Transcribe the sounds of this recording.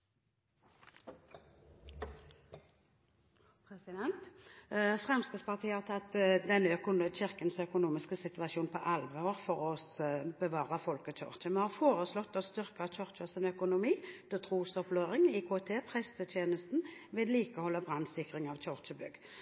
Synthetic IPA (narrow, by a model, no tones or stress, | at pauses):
pʰʁɛsɪd̪ɛnt̪ | fʁɛmskəspɑʁt̪ʰiːəhɑʁt̪ʰɑt̪ːd̪ɛnːəœkʊnəçɪʁkənsœkʊnuːmɪskəsɪt̪ʉʋɑʃjuːnpʰɔʔɑlʋəəʁfɔʁɔbəʋɑːʁəfɔlkəc͡çɔ̰ʁt͡ʃəmɛhɑʁfoːʁəslɔt̪ːɔst̪ʏʁkəɑʋt͡ʃɔʁt͡ʃəsɪnœkʊnʊmiːd̪̥ɛt̪ʰʁuːsɔpløːʁɪŋɪkʰoːɛt̪ʰeːpʰʁɛst̪ət̪ʰjeːnəst̪n̩ʋɪd̪liːkəhɔlːəbʁɑnd̪sɪkʁɪŋɑʋt͡ʃɔʁt͡ʃəbʏɡ